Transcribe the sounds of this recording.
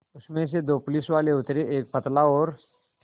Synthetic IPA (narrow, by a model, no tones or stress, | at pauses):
ʊsmẽs̬ed̪oːpʊlisʋaːleʊt̪ɾeʔeːk̚pət̪laɔːɾ